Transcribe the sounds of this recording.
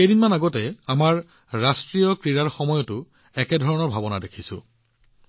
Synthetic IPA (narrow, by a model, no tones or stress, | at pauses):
ejdinmanaɡɔtɛamaɹː | astɹijɔkɹiɹaɹxɔmɔjɔtʊ | ɛkɛdʱɔɹɔnɔɹbʱabɔnadekʰisʊ̰